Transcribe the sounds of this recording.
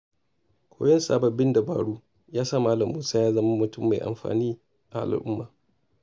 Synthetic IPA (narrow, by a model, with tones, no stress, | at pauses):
kʷʰo̰ː˦jɔ˦nsaː˨bɐ˨bːɪ˦nda˨ba̰ː˨ɽuː˦ | jaː˦sa˦maː˦lɐ˨mːuː˦saː˦jaː˦zɐ˦ma˦mʊ˨tʊ˦mːa˨jʔa̰˨mɸa̰ː˨niː˦ | ʔa̰˨ʔa̰˨lʔʊ˦mːaː˨